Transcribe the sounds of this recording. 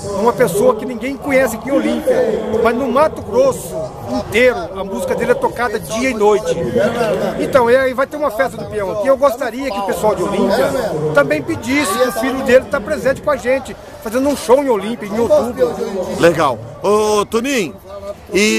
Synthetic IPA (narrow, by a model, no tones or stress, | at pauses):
ũmɐpesoɐkɪnĩɡẽj̃kõɲɛsɪkẽolĩpiɐmɐznʊ̃mat̪ʊɡɾosʊ | ĩnt̪eɾʊɐmuzikɐd̪elɪɛt̪okad̪ɐd͡ʒiɐinojt͡ʃɪ | ẽnt̪ɐ̃w̃ɛivajt̪eɾũmɐfɛst̪ɐd̪ʊpiɐ̃w̃ɐkiewɡost̪aɾiɐkɪpesuawd͡ʒɪolĩpiɐt̪ɐ̃mbẽj̃pɪd͡ʒiisɪkʊ̃fiʎʊd̪elɪt̪apɾezẽnt͡ʃɪkõɐʒẽnt͡ʃɪ | fazẽnd̪ũʃowẽolĩpiɐẽoubleɡaw | ot̪unĩ | ɪ